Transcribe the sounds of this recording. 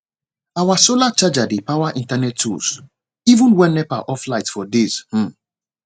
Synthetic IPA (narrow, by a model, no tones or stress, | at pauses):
awasolat͡ʃad͡ʒadepawaʔĩntanɛtʰːṵs | ivũnwɛ̃nːɛpa̰ʔɔflaɪtfɔdishm̩